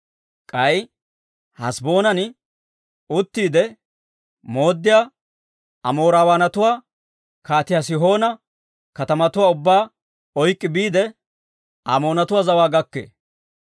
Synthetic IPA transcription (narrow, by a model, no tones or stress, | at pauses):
kʼɐj | hɐsbo̞ːnɐnɪ | ʊt̪ːiːd̪ɛ | mo̞ːd̪ːɪjaː | ɐmo̞ːɾaːwaːnɐt̪ʊwaː | kaːt̪ɪjas̬ɪɦo̞ːnɐ | kɐt̪ɐmɐt̪ʊwaːʊbːaː | ɔjkʼːɪbiːd̪ɛ | amo̞ːnɐt̪ʊwaːzɐwaːɡɐkːḛː